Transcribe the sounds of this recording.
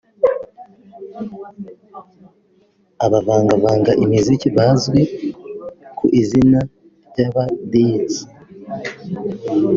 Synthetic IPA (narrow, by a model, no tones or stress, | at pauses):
aβavaːŋɡavaːŋɡaʔimiziciβazɡe | kuʔizina | ɟaβadit͡s